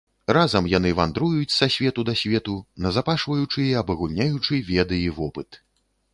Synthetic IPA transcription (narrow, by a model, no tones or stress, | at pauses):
razɐmjanɨvand̪ɾujut͡sʲsasʲvʲɛt̪ud̪ɐsʲvʲɛt̪unɐzapaʂvɐjut͡ʂɨiɐbɐɣunʲajut͡ʂɨvʲɛd̪ɨivɔpɨt̪